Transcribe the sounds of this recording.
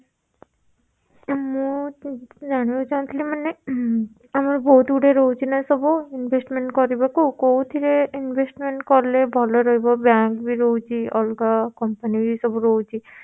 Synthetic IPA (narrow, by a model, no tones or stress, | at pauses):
mũ | d͡ʒaɽ̃ibot͡ʃant̪ʰlimane | amɔɾbʱɔut̪uɽeɾɔɦut͡ʃʰinasɔboinbʱesʈmeɳʈkɔɾibakukowt̪ʰiɾeinbʱesʈmeɳʈkɔɾlebʱɔlɔɾɔɦibɔbãŋkbʱiɾɔwt͡ʃʰiɔlɡakɔmpanibisɔbɔɾɔwt͡ʃʰi